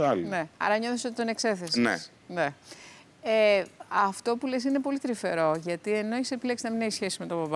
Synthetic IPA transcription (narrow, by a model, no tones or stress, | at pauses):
alneɐ̰ɾɐɲoθesot̪it̪o̞ne̞kse̞θesnḛs | ne | eɐft̪o̞pule̞s̬ine̞po̞lit̪ɾife̞ɾo̞ʝɐt̪ie̞noisepileksinɐmineçisçe̞sime̞t̪obɐb